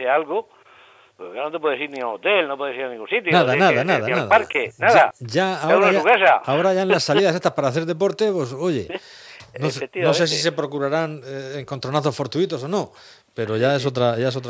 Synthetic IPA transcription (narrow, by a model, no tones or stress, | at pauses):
ealɣo | kenot̪epweesiɾniaot̪elnop̬we̞esiɾanĩŋɡunsit̪jonaððanaðanaðaaðaaɾkenaðaɟ͡ʝaaoɾaauɣesaao̞ɾaʝaenlasːalsiðase̞st̪aspaɾaːθe̞ɾðe̞po̞ɾt̪e̞pwe̞so̞ʝe̞̰noset̪inos̬e̞s̬is̬e̞pɾo̞kuɾaɾaŋeŋkont̪ɾo̞naθo̞sfo̞ɾt̪uit̪o̞s̬o̞no̞ | pe̞ɾo̞ʝaes̬o̞t̪ɾaʝaesot̪